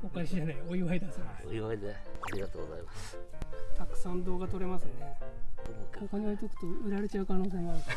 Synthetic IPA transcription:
okaiɕiʑanaioiβaid̪asɨoiβaid̪eaɾʲiɡat̪oːɡoza̰imast̪akɯ̟̥sãnd̪o̞ːɡat̪o̞ɾe̞masɨne | okaɲiait̪okɯ̥t̪oɯ̟ɾaɾe̞t͡ɕaɯ̟kano̞ːs̬e̞ːɡa

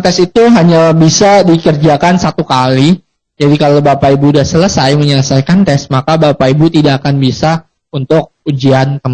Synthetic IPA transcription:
t̪ɛsit̪uɦaɲabisadikərd͡ʒakansat̪ukali | d͡ʒadikalobapaibudahsələsajməɲələsajkant̪ɛsmakabapaibut̪idaʔːkanbisa | unt̪ʊk̚ud͡ʒiankəm

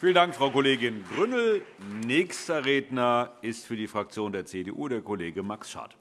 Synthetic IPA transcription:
fiːlənd̥aŋkfʁ̥aʊkoleːɡɪnɡʁʏnl̩nɛːçstɐʁeːdnɐʔɪstfyːɐdiːfʁ̥ak̚t͡sjoːndeːɐt͡sedeːʔuːdeːɐkʰoleːɡəmaksʃa̰ɐt

